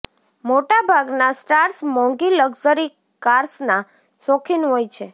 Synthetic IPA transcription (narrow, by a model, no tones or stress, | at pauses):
moʈabʱaɡnasʈaɾsmɔ̃ŋɡiləɡzəɾi | kaɾsna | sɔkʰinɦojt͡ʃʰe